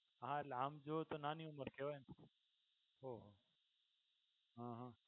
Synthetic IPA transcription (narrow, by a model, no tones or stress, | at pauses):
ɦãlamd͡ʒot̪onaːniuməɾkʰeʋan | ɦoɦo | ɦãɦã